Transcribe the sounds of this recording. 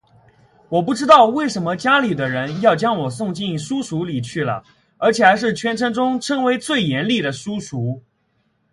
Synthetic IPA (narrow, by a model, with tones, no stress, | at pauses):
wɔ˨˩p̬u˥˩ʈ͡ʂɻ̩˥t̪ɑ˥˧ʊwe˥˩ɪʂə˧˥nmə˧t͡ɕja˥li˨˩d̪ə˦ɻə˧˥njɑ˥˩ʊt͡ɕjɑ˥ŋwɔ˨˩sʊ˥˧ŋt͡ɕi˥˧n˩ʂu˥ʂu˧˥li˨˩t͡ɕʰy˥˩lə̰˩ | ə˞˧˥t͡ɕʰjɛ˨˩a˧˥ɪʂ̬ɻ̩˥˩t͡ɕʰɥɛ˧˥nʈ͡ʂʰɤ˧˥ŋʈ͡ʂʊ˥ŋʈ͡ʂʰɤ˧˥ŋwe˧˥ɪt͡swe˥˩ɪjɛ˧˥nli˥˩d̪ə˩ʂu˥ʂu˧˥